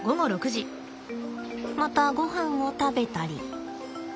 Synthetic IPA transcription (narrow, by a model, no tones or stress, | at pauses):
ɡo̞mo̞ɾo̞kɯ̟ʑi | mat̪aɡo̞ɦãŋ̃o̞t̪abe̞t̪aɾʲḭ